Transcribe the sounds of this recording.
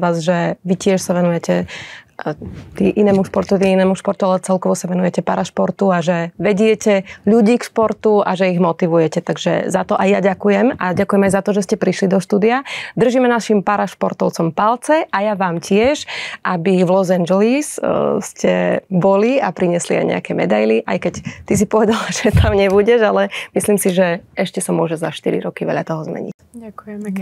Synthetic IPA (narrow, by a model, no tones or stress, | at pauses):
aːzʒɛʋicɪɛʃsaʋɛnujɛcɛ | t̪ḭʔinɛːmuʃpɔɾt̪ɔt̪iinɛːmuʃpɔɾt̪ualɛt͡sɛlkɔʋɔsaʋɛnujɛcɛpaɾaʃpɔɾt̪uaʒɛʋɛɟɪɛcɛʎuɟiːkʃpɔɾt̪ua̰ʒɛiɣmɔt̪iʋujɛcɛt̪aɡʒɛ̰zat̪ɔʔajjaɟakujɛmaɟakujɛmajzat̪ɔʒɛscɛpɾiʃlid̪ɔʃt̪uːd̪iad̪r̩ʒimɛnaʃimpaɾaʃpɔɾt̪ɔʊt͡sɔmpalt͡sɛʔajaʋaːmcɪɛʒʔabivlɔzand͡ʒɛlisscɛ̰bɔliapɾiɲɪɛslḭa̰jɲɛ̰akɛmɛ̰d̪ajliʔa̰jkɛct̪is̬ipɔʋɛd̪alaʒ̥ɛt̪ʰamɲɛβuɟɛʒalɛmisliːmsiʒɛɛʃcɛsamʊɔʒɛzaʃt̪iɾḭɾɔkiʋɛ̰ʎat̪ɔɦɔzmɛ̰ɲḭcakujɛ